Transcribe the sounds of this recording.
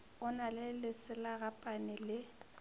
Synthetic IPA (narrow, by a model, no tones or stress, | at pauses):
ʊnalɪlɪsɪlaɣapʼanɪlɪ